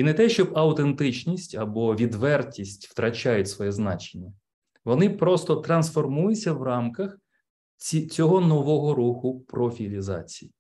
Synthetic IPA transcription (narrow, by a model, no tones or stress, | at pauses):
inɛt̪ɛʃt͡ʃɔbɐwt̪ent̪ɪt͡ʃnʲisʲtʲɐbɔʋʲid̪ʋɛrtʲisʲtʲft̪ɾɐt͡ʃajʊtʲsʋɔjɛznɑ̰t͡ʃenʲːɐ | ʋɔnɪpɾɔst̪ɔt̪ɾɐnsfɔrmujʊt͡sʲsʲɐwrɑmkɐxʲ | it͡sʲɔɦɔnɔʋɔɦɔɾuxʊpɾɔfʲilʲizɑ̰t͡sʲiji